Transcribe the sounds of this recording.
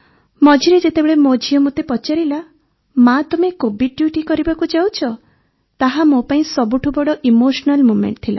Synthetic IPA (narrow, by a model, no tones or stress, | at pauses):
mɔd͡ʒʱiɾed͡ʒet̪ebeɭemod͡ʒʱijɔmot̪epɔt͡ʃaɾila | mat̪umekobiɖ̚ɖjuʈikɔɾibakud͡ʒawt͡ʃʰɔ | t̪aɦamopaĩsɔbuʈʰubɔɽɔʔimoʃɔnalmumḛɳʈt̪ʰila̰